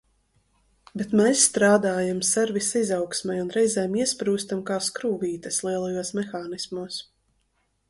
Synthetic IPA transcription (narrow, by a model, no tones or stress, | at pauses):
bɛt̪mɛsːt̪ɾaːd̪aːjamsɛɾvisizawksmʲɛjunɾɛjzɛːmiɛspɾuːst̪amkaːskɾuːviːt̪ɐslˠiɛlˠajuɔsmɛxaːnismuːs